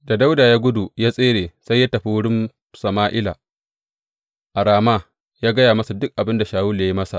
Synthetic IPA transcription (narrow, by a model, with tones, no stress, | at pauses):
da˨da˦wdaː˨jaː˦ɡʷʊ˦du˨jaː˦sʼeː˦ɽeː˨sa˦jːaː˦tɐ˨ɸi˦wʊ˦ɽɪ˦m | sɐ˨maː˦ʔɪ˦la̰˨ | ʔa˨ɽaː˨ma˦ | jaː˦ɡɐ˦jaː˨mɐ˦su˨dʊ˦k̚ʔa˨bɪ˦nda˨ʃaː˨wʊ˦lːa˦ji˦mɐ˦sa̰˨ʔ